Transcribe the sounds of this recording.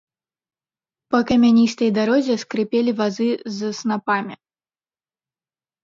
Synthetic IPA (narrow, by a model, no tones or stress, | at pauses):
pɐkɐmʲanʲist̪ɐjd̪aɾɔzʲɛskɾɨpʲelʲivazɨzɐsnapamʲi